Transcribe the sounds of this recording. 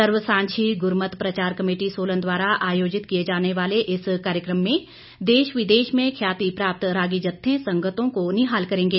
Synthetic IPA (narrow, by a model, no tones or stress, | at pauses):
əɾʋəsãːɲt͡ʃʰiɡʊɾmət̪pɾɐt͡ʃaːɾkɐmeːʈisoːlə̃nd̪waːɾaʔaːjoːd͡ʒɪt̪kijed͡ʒaːneʋaːleʔɪskaːɾjəkɾəmːẽ | d̪eːʃʋɪd̪eːʃmẽkʰjaːt̪ipɾaːp̚t̪ɾaːɡid͡ʒɐt̪ʰːẽsɐ̃ŋɡət̪õkonɪɦaːlkɐɾẽːŋɡeː